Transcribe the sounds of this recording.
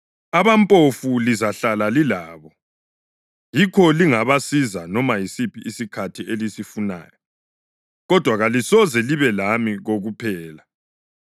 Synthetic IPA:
aβampʼofulizaɬalalilaːβɔ | jikʰɔliŋaβasizanɔmajisipʰiːsikʰatʰielisifuna̰ːjɔ | ɣɔd̥ʱwaɣalisɔzɛliβɛlamiɣoɣupʰɛːla

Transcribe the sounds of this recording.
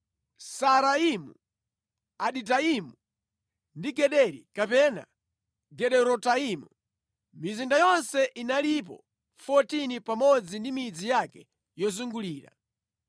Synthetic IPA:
saɾaimṵ | aɗitaimu | ndiɡɛɗɛɾḭkapɛna̰ | ɡɛɗɛɾɔtaimu | mizindajɔnsɛʔinalip̬ɔ̰ | fɔtinipamɔd͡zindimid͡zijakɛ | jɔzuŋɡuliːɾa̰

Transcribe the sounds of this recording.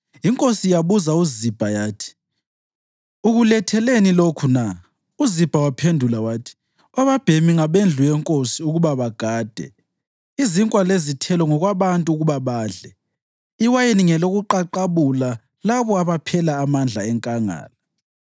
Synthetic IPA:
iŋkʼosijaβuzauzib̥ʱajaːtʰi̥ | uɣulɛtʰɛlenilokʰuna | uzib̥ʱawapʰendʱulawaːtʰi̥ | ɔβab̥ʱemiŋaβend͡ɮʱujɛŋkʼosiuɣuβaβaɡ̥ʱaːd̥ʱɛ̰ | iziŋkʼwalezitʰɛlɔŋɔɣwaβantʼuuɣuβaβaːɮɛ | iwajeniŋɛloɣuǃaǃaβula | laβɔaβapʰɛlaːmand͡ɮʱaɛŋkʼaŋa̰ːla

